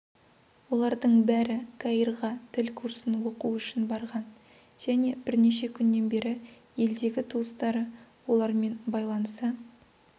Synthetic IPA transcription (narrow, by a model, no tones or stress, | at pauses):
wo̞lˠɑɾd̪əɴbæɾɪkʰɑirʁɑt̪ʰɪlkʰuɾsənwo̞quʏʃɪnbɑɾʁɑn | ʒ̥æne̞b̥ɪɾne̞ʃe̞kʲʰʏnːe̞nbe̞ɾɪ | je̞ld̪e̞ɡʲɪt̪ʰuəst̪ɑɾə | wo̞lˠɑɾme̞nbɑjlˠɑnəsə